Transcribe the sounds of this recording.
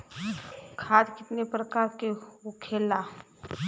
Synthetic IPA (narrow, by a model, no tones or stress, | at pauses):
kʰaːd̪kɪt̪nepɾəkaːɾkeokʰeːla